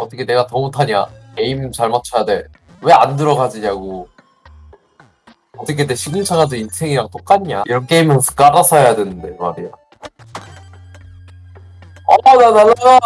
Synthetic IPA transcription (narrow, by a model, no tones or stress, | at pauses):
ʌt͈ʌkʰene̞ɡatʌmutʰaɲa̰ke̞imt͡ɕaɭmat͡ɕʰʌjadwe̞ɭ | we̞andɯɾʌɡad͡ʑiɲaɡo | ʌt͈ʌkʰe̞deɕʰiɡɯnt͡ɕʰaŋasʰʌinsʰe̞ŋiɾaɡot͈ok͈aɲaiɾʌnkʰeimjʌnsʰɯ̥k͈aɾasʰʌjadwe̞nɯnde̞maɾija̰ | ʌnananaɡa